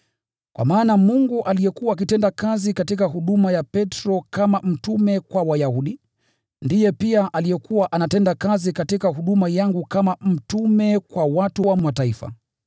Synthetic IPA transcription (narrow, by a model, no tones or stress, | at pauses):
kwa̰maːnamuŋɡuʔalijɛkuwaːk̬itɛndakazikatikaɦuɗumajapɛtɾɔkamam̩tumɛkwawajahuɗi | ndijɛpiaʔalijɛkuwaʔanatɛndakazikatikaɦuɗumajaŋɡukamam̩tumɛkwawatuwamwataifa̰